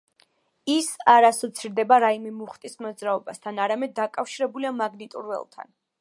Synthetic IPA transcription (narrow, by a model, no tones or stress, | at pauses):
isaɾasɔt̪sʰiɾd̪ɛbaɾaimɛmuχt̪ʼismɔd̪zɾaɔbast̪ʰanaɾamɛd̪̚ːakʼafʃiɾɛbuliamaɡnit̪ʼṵɾvɛ̰lˠt̪ʰa̰n